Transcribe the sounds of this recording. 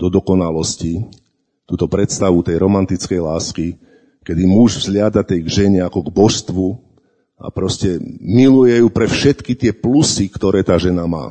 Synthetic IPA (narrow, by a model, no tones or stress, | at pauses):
d̪ɔd̪ɔkɔnalɔsci | t̪uːt̪ɔpɾɛt̪st̪aʋut̪ɛjɾɔmant̪it͡skɛjlaːski | kɛd̪imuʒvzlɪad̪at̪ɛjɡʒɛɲɛakɔɡbɔʃst̪ʋu | a̰pɾɔscɛmilujɛjuːpɾɛfʃɛt̪kit̪ɪɛplusikt̪ɔɾɛːt̪aːʒɛnama̰ː